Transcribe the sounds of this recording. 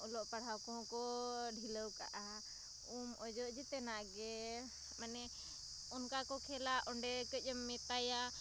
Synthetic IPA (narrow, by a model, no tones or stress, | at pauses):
ɔlɔʔpaɽ̤awkɔ̃kɔɖʱiləwka̰ʔa | umɔd͡ʒɔʔd͡ʒit̪ɛnaɡɛ | manɛ | unkakɔkʰɛlaʔɔɳɖɛkəəmːɛt̪aja